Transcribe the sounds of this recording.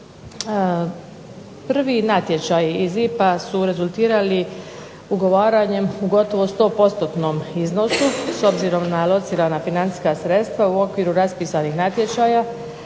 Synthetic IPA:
pr̩ʋinat̪je̞t͡ʃajiizipasuɾe̞zulˠt̪iːɾali | uɡo̞ʋaːɾaɲe̞muɡo̞t̪o̞ʋo̞st̪o̞ːpo̞t̪st̪ot̪nomizno̞suso̞bziɾo̞mnalˠo̞t̪siːɾanafinant̪i̥skasɾe̞t̪st̪ʋauo̞kʋiːɾuɾaspiːsanixnat̪je̞t͡ʃaːja

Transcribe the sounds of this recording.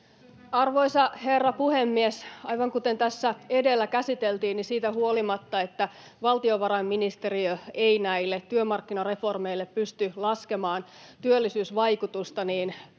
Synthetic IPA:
ɑrʋo̞isɑherːɑpuhemːiesɑjʋɑŋkut̪e̞nt̪æsːæedelːækæsit̪elt̪iːnnisiːt̪æhuolimɑt̪ːɑe̞t̪ːæ | ʋɑlt̪ioʋɑɾɑmːinist̪eriøeinæilːet̪tyømɑrkːinɑre̞fo̞rmeilːeppyst̪ylɑske̞mɑːn | t̪yølːisyːsʋɑjkut̪ust̪ɑniːn

